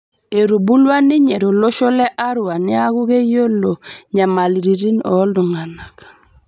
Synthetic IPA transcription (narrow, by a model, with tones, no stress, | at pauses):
e˨ɾu˨bu˦lwa˦ni˦ɲe˨ɾo˨lo˦ʃo˦le˦ʔa˦ɾu˨a˨nɪ˦a˦ɡu˦ɡe˦jo˦lo˨ɲa˨ma˨li˨ɾi˨ɾi˦nɔ̰˨˦ldu˨ŋa˨na˨k